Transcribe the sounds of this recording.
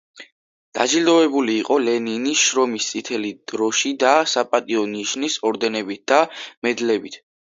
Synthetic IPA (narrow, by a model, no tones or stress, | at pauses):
d̪̥ad͡ʒild̪ɔvɛbuliːqʼɔlɛniniʃɾɔmist̪sʼit̪ʰɛlid̪̥ɾɔʃid̪asapʼat̪ʼiɔniʃnisɔɾd̪ɛnɛbit̪̚d̪̥amɛd̪lɛbit̪ʰ